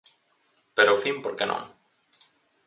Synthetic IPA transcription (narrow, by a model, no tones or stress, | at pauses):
peɾofimpoɾkenʔõ̰ŋ